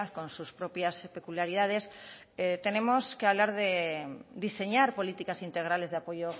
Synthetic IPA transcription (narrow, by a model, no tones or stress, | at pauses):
konsuspɾopjaspe̞kuljaɾið̞að̞es | et̪e̞nemoskeaβlaɾðed̪ise̞ɲaɾpo̞lit̪ikasint̪eɣ̞ɾale̞zðeapoʝo